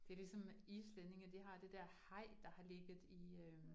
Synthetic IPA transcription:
d̥e̝æɐlisɒ̽miːslene̝ŋəd̥iɦɑ̈d̥e̝d̥æɐ̰hɑ̈ɪ̰d̥ɑ̈hɑ̈le̝ɡ̥ð̩ˠiø

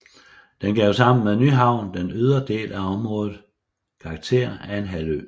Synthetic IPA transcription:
d̥enɡ̥ɛʊ̰sɑ̈m̰n̩menyɦɑ̈ʊ̰nd̥enøðˠɐd̥e̝̰ːlʔæɒ̽mʁɔ̽ːðð̩ˠ | kʰɑ̈ːɡ̥̚t͡sʰe̝̰ɐ̰ænɦælø̰

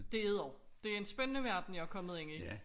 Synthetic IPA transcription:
d̥e̝eð̩ˠɒʊ̰ | d̥e̝æɐe̝nsb̥enənəʋæɐd̥n̩jɑ̈ækʰɒ̽mð̞̩ˠeŋi

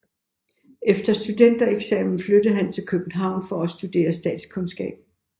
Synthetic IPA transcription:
efd̥ɐsd̥ud̥en̰d̥ɐeɡ̥sɛ̰ːmn̩flød̥ð̩ˠɦænt͡sʰe̝lkʰøb̥n̩ɦɑ̈ʊ̰nfɒ̽æsd̥ud̥e̝̰ːɐsd̥ɛ̰ːd̥skʰɔ̽nsɡ̥ɛ̰ːb̥

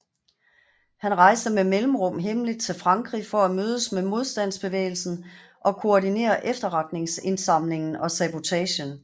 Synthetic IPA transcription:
hænʁɑ̈ɪsd̥əmemelm̩ʁɔ̽m̰ɦemlid̥̚t͡sʰe̝lfʁɑ̈ŋɡ̥ʁifɒ̽æmøːð̞ˠəsmemo̝ð̞ˠsd̥æn̰sb̥e̝ʋḛːl̩sn̩ | ʔɒ̽kʰo̝ɒdine̝̰ːɐʔefd̥ɐʁɑ̈d̥ne̝ŋse̝nsɑ̈m̰le̝ŋn̩ɒ̽sæb̥o̝t͡sʰɛɕən

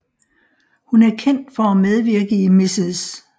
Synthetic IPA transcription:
hunæɐkʰen̰d̥fɒ̽æmeð̞ˠʋiɐɡ̥əimisis

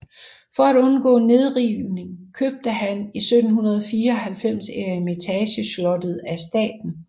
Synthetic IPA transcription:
fɒ̽æɾɔ̽nɡ̥ɔ̰̽ːne̝ð̞ˠʁiʊne̝ŋkʰøb̥̚d̥əhænisød̥n̩ɦunɐð̞ˠɒfiːɐɒhælfem̰seɐime̝t͡sʰɛɕəslɒ̽d̥ð̞̩ˠæsd̥ɛ̰ːd̥n̩

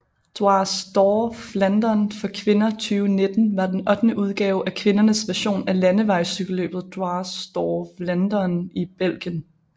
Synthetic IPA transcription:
d̥oɑ̈sd̥ɒːflænd̥ɐnfɒ̽kʰʋe̝nɐt͡sʰyːʊne̝d̥n̩ʋɑ̈d̥enɒ̽d̥nəʔuð̞ˠɡ̥ɛːʊʔækʰʋe̝nɐnəsʋæɐɕo̝̰ːnælænəʋɑ̈ɪsyɡ̥əlø̰ːb̥ð̞̩ˠd̥oɑ̈ːsd̥ɒːflænd̥ɐnib̥el̰ɡ̥jən

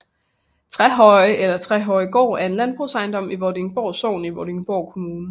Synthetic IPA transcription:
t͡sʰʁɛɦɒ̽ɪʔelɐt͡sʰʁɛɦɒ̽ɪɡ̥ɒ̰ːæɐe̝nlænb̥ʁṵsɑ̈ɪnd̥ɒ̽m̰iʋɒdeŋb̥ɒʊ̰so̰ːn̩iʋɒd̥eŋb̥ɒʊ̰kʰo̝muːnə

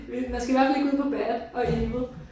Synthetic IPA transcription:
emænsɡ̥æiʋæɐfæle̝ɡ̥uð̰ˠpʰɒ̽b̥æɐd̥ɒ̽emð̩ˠ

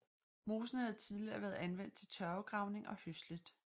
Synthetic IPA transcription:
mo̝ːsn̩hæð̞̩ˠt͡sʰið̞ˠliɐʋæɐðˠænʋen̰d̥̚t͡sʰe̝lt͡sʰɶɐʊɡ̥ʁɑ̈ʊne̝ŋʔɒ̽høslid̥

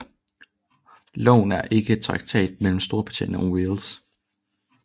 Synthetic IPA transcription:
lɔ̰ːnæɐʔe̝ɡ̥ət͡sʰʁɑ̈ɡ̥̚t͡sʰɛ̰ːd̥̚mel̰m̩sd̥o̝ːɐpʰɑ̥t͡sʰḭnɒwels

